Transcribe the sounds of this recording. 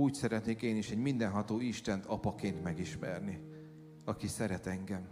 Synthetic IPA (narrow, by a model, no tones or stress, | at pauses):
uːcsɛɾɛt̪neːkeːniʃɛɟmind̪ɛnɦɒt̪oːiʃt̪ɛnt̪ɒpɒkeːnt̪mɛɡiʃmɛ̰rni | ɒkisɛɾɛt̪ɛŋɡɛm